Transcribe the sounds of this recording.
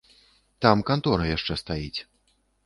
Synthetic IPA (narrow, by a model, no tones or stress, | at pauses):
t̪amkant̪ɔɾɐjaʂt͡ʂɛst̪ajit͡sʲ